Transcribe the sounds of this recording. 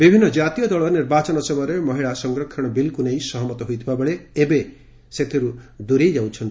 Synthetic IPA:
bibʱinːɔd͡ʒat̪ijɔd̪ɔɭɔniɾbat͡ʃɔnɔsɔbʌɾemɔɦiɭasɔŋɡɾɔkʰːɔɽ̃ɔbilkunejsɔɦɔmɔt̪ɔɦojt̪ʰibabɔɭeebe | set̪ʰiɾud̪uɾejd͡ʒawt͡ʃʰɔn

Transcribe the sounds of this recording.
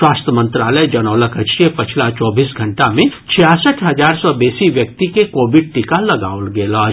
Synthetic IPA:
waːst̪ɾəmə̃nt̪ɾaːləjd͡ʒɐnɔːləkət͡ʃepɐt͡ʃʰlat͡ʃɔːbiːsɡʱɐɳʈamẽt͡ʃʰijasəʈʰɦɐzaːɾsɔbeːsiʋjɐk̚t̪ikekoːbɪɖ̚ʈɪkalɐɡaːolɡeːlaː

